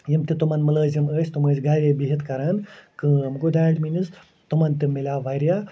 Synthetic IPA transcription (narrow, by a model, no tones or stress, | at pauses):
jimt̪it̪umɐnmɐləːziməːst̪uməːsɡaːɾʲebiɦit̪kɐɾaːnkɨmɡod̪aːʈminis | t̪umɐnt̪imːilʲaːʋajɾja